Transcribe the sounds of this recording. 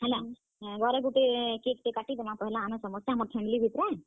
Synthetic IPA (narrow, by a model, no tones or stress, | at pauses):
ɦɛla | ɡɔɾeɡuʈekek̚t̪ekaʈit̪emãpɔɦɛlãːmɛ̃sɔmɔsjaɦəməɾpʰɛmilibʱit̪ɾɛ